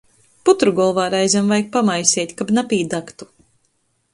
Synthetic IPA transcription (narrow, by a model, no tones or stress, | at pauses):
put̪ɾuɡɔlˠvaːɾajzʲamvajk̚pamajsʲɛt̪ʲkabnapʲiːd̪akt̪u̥